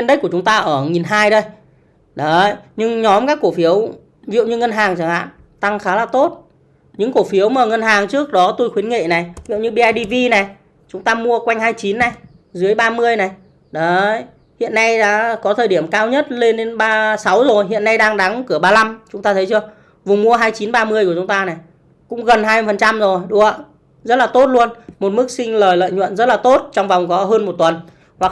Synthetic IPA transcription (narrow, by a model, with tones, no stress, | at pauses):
wi˧nɗə˦˥k̚ku˧˩t͡ɕʊ˨˦ŋ͡mt̪aː˧ʔəː˧˩ŋi˨˩nɦaː˧jɗə˧j | ɗə˨˦˨jɲɨ˧ŋɲɔ˨˦mkaː˦˥kːu˧˩əfi˨˦əw | vḭ˧˨ə˨wɲɨ˧ŋə˧nɦaː˨˩ŋt͡ɕa˨˩ŋha̰ː˧˨n | t̪a˧ŋxaː˨˦laː˨˩t̪o˦˥t̚ | ɲɨ̰˧˥ŋku˧˩fi˨˦əwməː˨˩ŋə˧nɦaː˨˩ŋt͡ɕɨ˦˥ək̚ɗɔ˨˦t̪o˧jxwi˨˦ənŋḛ˧˨na˨˩jvḭ˧˨wɲɨ˧ɓi˧aː˧jɗi˧vi˧na˨˩j | t͡ɕʊ˨˦ŋ͡mt̪aː˧mu˧əkwa˧jŋ̟haː˧jt͡ɕi˨˦nːa˨˩j | zɨ˨˦əjɓaː˧mɨ˧əjna˨˩j | ɗə˨˦˧j | hḭ˧˨ənːa˧jɗa̰ː˧˥kɔ˨˦t̪ʰəː˨˩jɗi˧˩əmkaː˧wɲə˦˥t̚le˧nɗe˨˦nɓaː˧sa˨˦wzo˨˩jɦḭ˧˨ənːa˧jɗaː˧ŋɗa˨˦ŋkɨ˧˩əɓaː˧la˧mt͡ɕʊ˨˦ŋ͡mt̪aː˧ə˨˦jt͡ɕɨ˧ə | vʊ˨˩ŋ͡mmu˧əɦaː˧jt͡ɕi˨˦nɓaː˧mɨ˧əku˧˩t͡ɕʊ˨˦ŋ͡mt̪aː˧na˨˩j | kʊ̰˧˥ŋ͡mɣə˨˩nɦaː˧jmɨ˧˩fə˨˩nt͡ɕa˧mzo˨˩jɗu˧˩ə˨ | zə˦˥t̚laː˨˩t̪o˦˥t̚lu˧ənmo˨˩t̚mɨ˦˥k̚sï˧ŋ̟ləː˨˩jlə̰ː˧˨jɲwə̰˧˨nzə˦˥t̚laː˨˩t̪o˦˥t̚t͡ɕɔ˧wŋ͡mva˨˩wŋ͡mkɔ˨˦ɦəː˧nmo˨˩t̚t̪wə˨˩n | hwa˨˩k̚